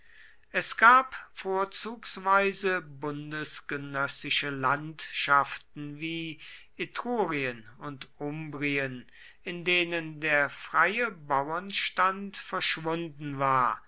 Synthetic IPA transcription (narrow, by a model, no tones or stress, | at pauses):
ʔɛsɡ̥aːpfoːɐt͡suːksv̥aɪzəbʊndəsɡ̥ənœsɪʃəlantʃaftn̩viːʔetʁ̥oːʁiənʊntʔʊmbʁiən | ʔɪndeːnəndeːɐfʁ̥aɪəbawɐnʃtantfɛɐʃv̥ʊndn̩vaːɐ